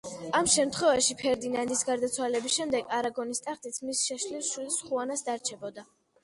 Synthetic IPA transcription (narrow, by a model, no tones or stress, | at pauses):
amʃɛmt̪ʰχwɛvaʃipʰɛɾd̪inand̪isɡaɾd̪at̪sʰwalɛbisʃɛmd̪ɛɡaɾaɡɔnist̪ʼaχt̪ʼit̪sʰmisʃɛʃlilˠʃilsχuanasd̪aɾt͡ʃʰɛbɔd̪a